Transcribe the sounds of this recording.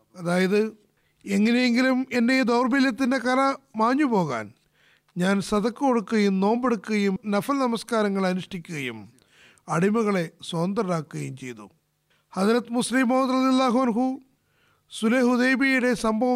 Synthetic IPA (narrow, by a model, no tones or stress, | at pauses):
ɐðaːjɐðɨ | e̞ŋːɐne̞jeŋɡilume̞nde̞d̪oːrbiljɐt̪ːinde̞kɐlɐmaːɲːupo̞ːɣa̰ːn | ɲaːnsɐðɐkːɨko̞ɽukːuɣɐjumno̞ːmbeɽukːuɣɐjumnɐfɐlnɐmɐskaːɾɐŋːɐɭɐnuʂʈikʲːuɣɐjṵm | ɐɽimuɣɐɭe̞soːnd̪ɐrɐɾaːkːɨɣɐjumt͡ɕe̞̰jt̪ṵ | hɐðɾɐt̪ːmuslimoːd̪rɐðijɐlːaːɦuɐnɦu | suleɦuðeːbijuɽe̞sɐmbʱɐʋ